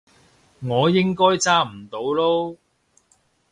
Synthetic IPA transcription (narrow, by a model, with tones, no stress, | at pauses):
ŋɔː˨˧jɪ˥ŋkɔː˥jt͡saː˥m̩˨˩t̪o˨˧˥wlo˥w